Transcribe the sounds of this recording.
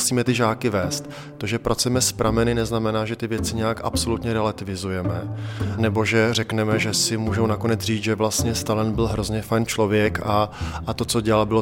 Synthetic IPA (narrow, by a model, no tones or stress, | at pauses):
siːmɛt̪ɪʒaːkɪvɛːst̪ | t̪oʒɛpɾʔat͡suʊjɛmɛspɾamɛnɪnɛznamɛnaːʒɛt̪ɪvjɛt͡sɪɲɛjakʔa̰pso̞lut̪ɲɛɾɛlat̪ɪvɪzujɛmɛnɛbo̞ʒɛr̝ɛknɛmɛʒɛsɪmuːʒownako̞nɛd͡zriːt͡sʒɛvlast̪ɲɛst̪alɛnbɪlɦɾo̞zɲɛfajnt͡ʃlo̞vjɛkaat̪o̞t͡so̞ɟɛlalbɪlo̞